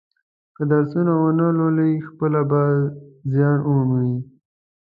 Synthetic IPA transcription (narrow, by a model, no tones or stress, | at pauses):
kəd̪aɾsunawonaloləixpəlabazjɑnomuwi